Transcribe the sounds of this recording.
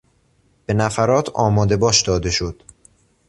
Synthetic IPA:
b̥e̞næfæɾɒːt̪ʰɒːmɒːd̪e̞bɒːʃd̪ɒːd̪e̞ʃo̞d̪̥

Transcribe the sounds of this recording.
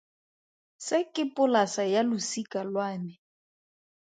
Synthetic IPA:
sɪkʼɪpʼʊlasajalʊsikʼalwaːnɛ

